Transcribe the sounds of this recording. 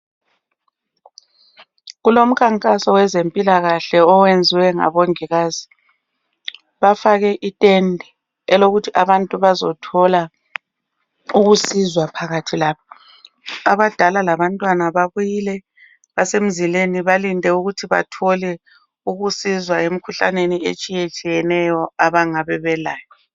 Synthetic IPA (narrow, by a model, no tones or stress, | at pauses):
ɣulom̩kʰaŋkʼasɔwɛzempʼilaɣaɬɛɔwend͡zʱiwɛŋa̰βoŋiɣaːzi | βafaɣɛʔitʼendʱɛ | ɛloɣutʰiʔaβantʼuβazɔ̰tʰɔla | uɣusizwapʰaɣatʰilaːβɔ | aβad̥ʱalalaβantʼwanaβaβujiːlɛ | βasem̩zileniβalindʱʼɛuɣutʰiβa̰tʰɔlɛ | uɣusizwaem̩kʰuɬa̰neniḛt͡ʃʼijet͡ʃʼijɛnɛjɔaβaŋaβɛβɛlaːjɔ